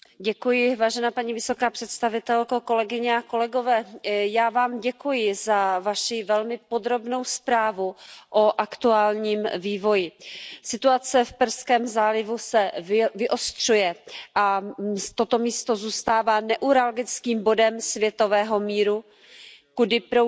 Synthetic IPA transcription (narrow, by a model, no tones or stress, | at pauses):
ɟɛkujɪvaːʒɛnaːpaɲiːvɪso̞kaːpr̥ɛt̪st̪avɪt̪ɛlkoko̞lɛɡɪɲɛako̞lɛɡo̞vɛːjaːvaːmɟɛkujɪzavaʃɪvɛlmɪpo̞d̪ɾo̞bno̞wspɾaːvuʔoʔakt̪uaːlɲiːmviːvo̞jɪsɪt̪uat͡sɛfpr̩skɛːmzaːlɪvusɛvɪʔost̪r̝̥ujɛʔat̪o̞t̪o̞miːst̪o̞zuːst̪aːvaːnɛʔuɾalɡɪt͡skiːmbo̞dɛmsvjɛt̪o̞vɛːɦo̞miːɾu | kudɪpɾo